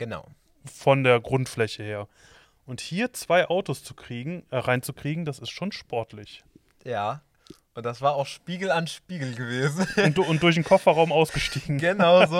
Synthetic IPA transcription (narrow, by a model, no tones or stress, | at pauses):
ɡ̥əna̰ʊ | fɔndeːɐɡʁʊntflɛçəheːɐ | ʔʊnthiːɐt͡sv̥aɪʔaʊtost͡sukʁ̥iːɡŋ̩ʁaɪnt͡sukʁ̥iːɡŋ̩d̥asɪstʃoːnʃpɔɐtʰlɪç | jaː | ʔʊnt̚d̥asv̥aːɐaʊxʃpiːɡl̩anʃpiːɡl̩ɡəveːzn̩nʊnt̚d̥ʊɐç̬nkʰɔfɐʁaʊmaʊsɡ̥əʃtiːɡŋ̩ɡənaʊzoː